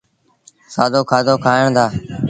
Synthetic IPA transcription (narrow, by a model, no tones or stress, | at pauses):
saːd̪oːkʰaːd̪oːkʰaːəɳd̪aː